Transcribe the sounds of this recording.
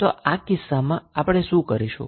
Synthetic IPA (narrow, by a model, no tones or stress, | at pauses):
t̪oʔakɪsːamãapɽ̃eʃũkəɾiʃṵ̃